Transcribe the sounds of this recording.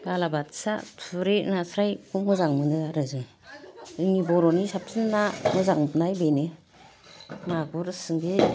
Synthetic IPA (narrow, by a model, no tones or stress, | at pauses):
balabatsa̰tʰuɾenasɾajkumɯzaŋmɯnɯaɾɯzɯŋ | ɯŋibɔɾɔnisap̚sinːamɯzaŋpnajbenɯ | maɡuɾsɯŋɡi